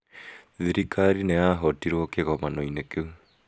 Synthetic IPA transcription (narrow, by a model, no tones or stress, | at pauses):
ðiɾikʰaɾineaɦɔtiɾwɔkeɣɔmanoinekeu